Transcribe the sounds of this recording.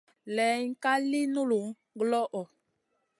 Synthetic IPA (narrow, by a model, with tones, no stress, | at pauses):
lɛ˨˦ŋ̩˦ka˦li˦nu˦lu˨ | ɡlɔ˦ʔɔ˨